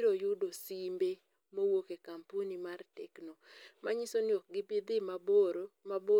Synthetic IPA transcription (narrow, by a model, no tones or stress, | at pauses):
ɾojudosimbe | mowokekampunimartɛknomaɲisonjok̚ɡɪbɪd̪ɪmaboɾomabo